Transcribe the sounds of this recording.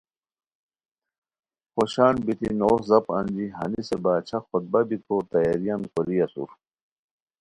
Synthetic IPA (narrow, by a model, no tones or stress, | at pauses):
xoɕaːnbit̪inoːzɐpɐ̰nd͡ʑiɦɐnisebaːt͡ɕʰɐxot̪̚bɐbik̪ʰoːt̪ɐjaɾijankoɾijɐsṵɾ